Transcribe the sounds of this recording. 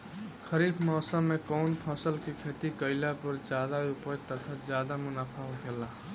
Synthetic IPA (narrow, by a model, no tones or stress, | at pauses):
kʰəɾiːbʰmɔːsəmːẽkɔːnpʰɔːsəlkikʰeːt̪ikəɪlapəɾd͡ʒjaːd̪aʊpəjt̪ət̪ʰəd͡ʒjaːd̪amʊnaːpʰaɦoɡelaː